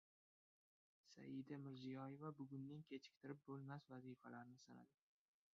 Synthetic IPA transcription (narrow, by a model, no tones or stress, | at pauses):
sa̰jɪd̪amɪɾzijɒje̞vabʊɡʊnːankʲʰet͡ʃʰɪ̥k̚ʲt̪ʰɪɾɪp̚bolˠmasvazifalaɾnɪsana̰d̪ɪ